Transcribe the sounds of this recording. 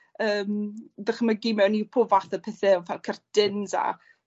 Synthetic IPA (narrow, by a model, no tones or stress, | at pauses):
əːmðəχəmaɡimɛwnːipʰʊvaθəpʰɛθɛɔfalkʰərd̥ɪnza̰